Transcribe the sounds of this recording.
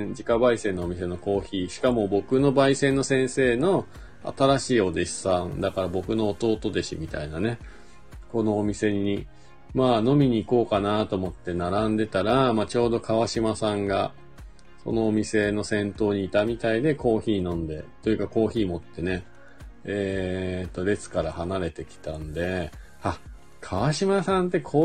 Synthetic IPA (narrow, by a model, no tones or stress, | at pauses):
d͡ʑikabaisẽ̞nːo̞ːmʲis̬e̞no̞ko̞ːçiːɕi̥kamo̞bo̞kɯ̟no̞baisẽ̞nːo̞sẽ̞ɰ̃se̞ːno̞ | a̰t̪aɾaɕiːo̞d̪e̞ɕi̥sãnd̪akaɾabo̞kɯ̟no̞ːt̪o̞ːt̪o̞d̪e̞ɕimʲit̪a̰inane̞ | ko̞no̞ːmʲise̞ɲi | maːno̞mʲiɲ̟iːko̞ːkanat̪o̞mo̞t̪ːe̞naɾãnd̪e̞t̪aɾamaːt͡ɕo̞ːd̪o̞kaβ̞aɕimasãŋɡa | so̞̰no̞ːmʲise̞no̞sẽ̞nt̪o̞ːɲ̟iːt̪amʲit̪aid̪e̞ko̞ːçiːnõ̞nd̪e̞t̪o̞jɯ̟kako̞ːçiːmo̞t̪ːe̞ne̞ | eːt̪ːo̞ɾe̞t͡sɨ̥kaɾahanaɾe̞t̪e̞kʲi̥t̪ãnd̪e̞ | a | kʰaβaɕimasãnt̪ːe̞kʰoː